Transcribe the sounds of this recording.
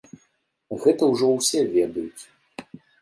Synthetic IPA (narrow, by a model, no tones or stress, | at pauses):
ɣɛt̪ɐwʐɔwsʲɛvʲɛd̪ɐjut͡sʲ